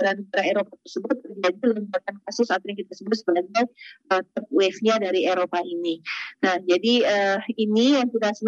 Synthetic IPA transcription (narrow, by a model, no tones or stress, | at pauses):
ɾanəɡaɾaeɾopat̪ərsəbʊt̪̚baɡaləmakankasʊsat̪awjaŋkit̪̚asəbʊt̪̚səbaɡajət̪əp̚wɛfɲadaɾieɾopaʔininahd͡ʒadiəinijaŋsudasən